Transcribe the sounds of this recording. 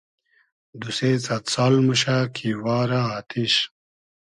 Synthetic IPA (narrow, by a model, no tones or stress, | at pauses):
d̪useːt͡sɐt̪saːlmuɕakʰiwaːɾaaːt̪iɕ